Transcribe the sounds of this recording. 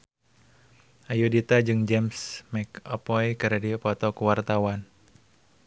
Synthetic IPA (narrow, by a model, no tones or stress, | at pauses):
ʔajudit̪ad͡ʒɨŋd͡ʒɛmsmɛkɔpɔikəɾadipɔt̪ɔkuwart̪awan